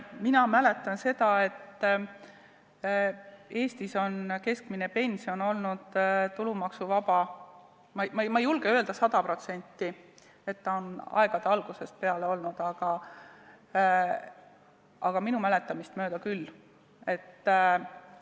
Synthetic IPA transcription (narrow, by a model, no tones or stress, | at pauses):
minɑmæle̞t̪ːˑɑnse̞d̪̥ɑe̞t̪ː | e̞ːst̪iso̞nke̞skmine̞pe̞nʲsio̞no̞lnud̪̥t̪ulumɑksuvɑbɑ | mɑmɑmɑejulɡ̥eøe̞ld̪ɑsɑd̪̥ɑpro̞t̪se̞nʲt̪ːˑi | e̞t̪ːɑo̞nɑ̰e̞ɡ̥ɑd̪̥eɑlɡ̥use̞spe̞ɑle̞o̞lnud̪̥ɑɡ̥ɑ | ɑɡ̥ɑminumæle̞t̪ːˑɑmist̪mø̞ːd̪̥ɑkylː | e̞t̪ː